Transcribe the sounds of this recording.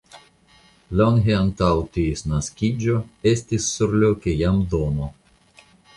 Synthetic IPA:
loŋɦeant̪awt̪isnaskʲid͡ʒoe̞stisːuɾlokejamd̪omo

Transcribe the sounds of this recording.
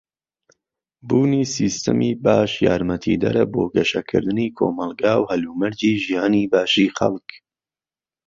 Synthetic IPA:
buːniːsiːst̪ɐmiːbaːʃjaːɾmɐt̪ʰḭːd̪ɐ̰ɾɐboːɡɐʃɐkʰɨ̰ɾd̪ɨniːkʰo̰ːmɐlˠɡaːwhɐluːmɐɾd͡ʒiːʒijaːniːbaːʃiːxɐ̰lˠk

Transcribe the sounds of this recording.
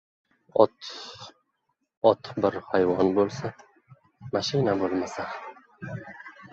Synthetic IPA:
ɒt̪ | ɒt̪ʰbɪɾhajvɒnbolˠsa | maʃɪnabolˠmasa

